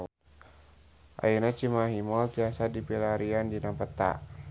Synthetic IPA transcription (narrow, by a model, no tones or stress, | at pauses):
ʔa̰inat͡ʃimaɦimɔlt̪iasadipilaɾiandinapət̪a̰